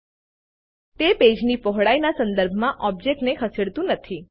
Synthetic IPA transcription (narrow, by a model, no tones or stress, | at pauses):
t̪eped͡ʒnipɔɦɽajnasənd̪əɾbʱmãʔɔb̚d͡ʒek̚ʈnekʰəseɽt̪ũnət̪ʰi